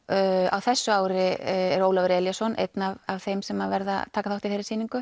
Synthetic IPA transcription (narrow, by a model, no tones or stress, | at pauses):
a̰wθɛsːʏaːwɾɪɛɾoːwlavɾɛːljasɔnʔḛjt̪navavθejmsɛmavɛɾða̰t̪ʰaːkaθawht̪ɪθejɾɪ̥siːniŋkʏ